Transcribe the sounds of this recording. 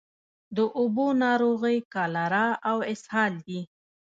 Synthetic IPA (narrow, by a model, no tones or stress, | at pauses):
d̪əʔʊbonɑɾoɣəjkɑlaɾaawɪshɑld̪i